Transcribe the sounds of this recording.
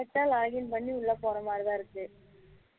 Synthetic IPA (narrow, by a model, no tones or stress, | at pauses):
ɐʈːaːlaːɣɪnpɐɳːiʊɭːɐpoːɾɐmaːɾɯðãːɪɾɯkːɯ